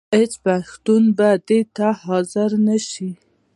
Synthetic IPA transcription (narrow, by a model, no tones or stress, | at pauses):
het͡ʃpaʃt̪unbad̪et̪ahɑzɪɾnaʃi